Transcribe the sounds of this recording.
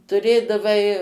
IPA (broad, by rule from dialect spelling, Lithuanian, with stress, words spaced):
tʊˈrʲeːdɐʋɐɪ